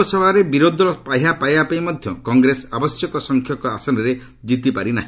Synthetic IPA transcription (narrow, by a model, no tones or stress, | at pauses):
sɔbʱaɾebiɾod̪ʱɔɾɔpajɦapajapajmɔd̪ʱjɔkɔŋɡɾesɔabɔsjɔkɔsɔŋkʰjɔkɔasɔnɔɾe | d͡ʒit̪ipaɾina̰ɦĩ